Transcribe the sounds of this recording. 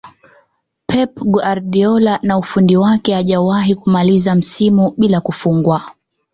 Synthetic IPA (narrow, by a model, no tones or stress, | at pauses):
pʰɛpɡuaɾɗiɔlanaufundiwakɛaʄawaɦikumalizam̩simuɓilakufuŋɡwa